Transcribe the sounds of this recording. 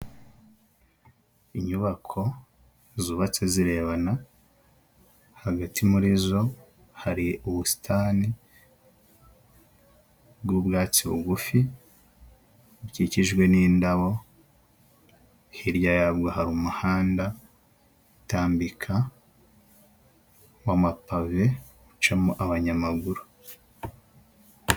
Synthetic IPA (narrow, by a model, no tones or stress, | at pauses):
iɲuβakʰo̞ | zuːβat͡seziɾe̞βana | haɡatʰimuɾizo̞ | haɾiuβusi̥tʰani | bɡubɡaːt͡siβṵɡufi | ciciʒɡwe̞niːndaβo̞ | hiɾjajaβɡahaɾumuhaːnda | utaːmbikʰa | wamapave̞ɡut͡ʃamuʔaβaɲamaɡuɾu